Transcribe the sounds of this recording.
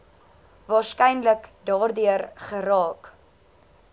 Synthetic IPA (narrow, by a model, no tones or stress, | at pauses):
vɑːrskɛjnləkdɑːrdyərχəɾɑːk